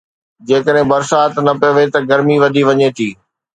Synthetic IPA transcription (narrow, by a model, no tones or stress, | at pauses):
d͡ʑeːkəɗɦɪ̃bɐɾsaːt̪nɐpijoʋet̪ɐɡɐɾmiʋɐd̪ʱiʋɐɲet̪ʰiː